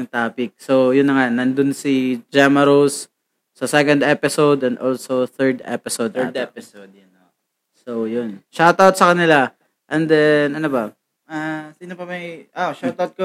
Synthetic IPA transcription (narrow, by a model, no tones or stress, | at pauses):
ŋt̪aːpɪk̚sojʊnːɐŋanɐnd̪ʊnsid͡ʒɛmɐɾowsː | ɐsɛkɔnd̪ɛpɪsowd̪ɛ̃nd̪olsoθɛɹd̪ɛ̰pɪsowd̪̚d̪ɛpɪsod̪ | sowjʊnʃawt̪awt̪̚sɐkɐnɪla | ʔɛnd̪ɛnɐnobɐ | asiːnopɐmɐjʔoʔʃawt̪awt̪̚ko